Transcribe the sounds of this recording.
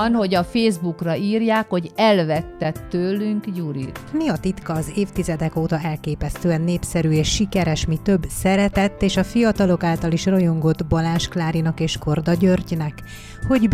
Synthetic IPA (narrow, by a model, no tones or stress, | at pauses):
nho̞ɟɒfeːzbukrɒiːrjaːkho̞ɟɛlvɛt̪ːɛt̪ːøːlːyŋkjuɾḭt̪miɒt̪it̪kɒːzeːft̪izɛd̪ɛkoːt̪ɒɛlkeːpɛst̪øːɛnːeːpsɛɾyeːʃːikɛɾɛʃmit̪ø̞bːsɛɾɛt̪ɛt̪ːeːʃɒfijɒt̪ɒlo̞kaːlt̪ɒliʃrojo̞ŋɡo̞d̪bɒlaːnʃklaːɾinɒkeːʃko̞rd̪ɒɟørɟinɛk | ho̞ɟ